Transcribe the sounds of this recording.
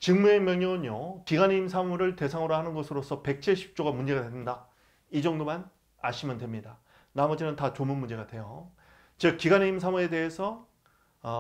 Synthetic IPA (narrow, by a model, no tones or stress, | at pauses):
t͡ɕɯŋmuemjʌŋʌɯɲjokiɡaniimsʰamuɾɯɭte̞sʰaŋoɾahanɯnɡʌsʰɯɾosʰʌpe̞k̚t͡ɕ͈ʰeɕʰi̥p̚t͡ɕ͈oɡamund͡ʑe̞ɡadednda | id͡ʑʌŋdoman | aɕʰimjʌndwe̞mɲida | namʌd͡ʑenɯntat͡ɕomɯnmund͡ʑe̞ɡadwe̞jo | t͡ɕɯkk͈iɡaniims̬ʰamuɾe̞de̞ɦesʰʌ